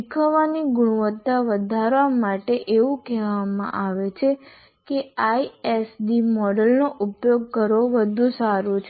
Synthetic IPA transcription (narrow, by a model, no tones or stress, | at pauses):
ikʰəʋaniɡʊɽ̃uʋət̪ːaʋəd̪ʱaɾʋamaʈeʔeʋũkɛʋamã̰ʔaʋet͡ʃʰe | keaiesɖimɔɖəlnoʔupjoɡ̚kəɾoʋəd̪ʱũsaɾut͡ʃʰ